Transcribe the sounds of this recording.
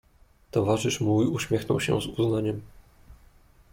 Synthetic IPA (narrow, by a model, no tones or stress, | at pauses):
t̪ɔvaʐɘʂmujuɕmʲjɛxnɔ̰wɕɛ̰zuznaɲɛm